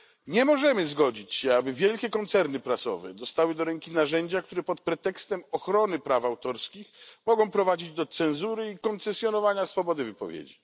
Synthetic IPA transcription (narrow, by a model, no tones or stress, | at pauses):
ɲɛmɔʐɛmɘzɡɔd͡ʑit͡ɕɕɛabɘvʲjɛlkʲɛkɔnt̪sɛɾnɘpɾasɔ̰vɛ̰d̪ɔst̪awɘd̪ɔɾɛŋkʲinaʐɛɲd͡ʑak̚t̪uɾɛpɔt̪̚pɾɛt̪ɛkst̪ɛmɔxɾɔnɘpɾafawt̪ɔɾskʲixmɔɡɔ̃w̃pɾɔvad͡ʑid͡ʑd̪ɔt̪sɛnzuɾɘikɔnt̪sɛsʲjɔnɔvaɲasfɔbɔd̪ɘvɘpɔvʲjḛd͡ʑi